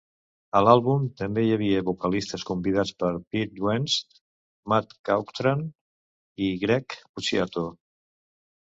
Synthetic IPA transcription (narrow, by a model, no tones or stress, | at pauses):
əlalˠβumt̪əmbejəβ̞iəβukəlist̪əskumbiðat͡spəɾpit̪̚d̪wɛnz | mat̪kawkt̪ɾan | iɣɾɛkput͡ʃiat̪o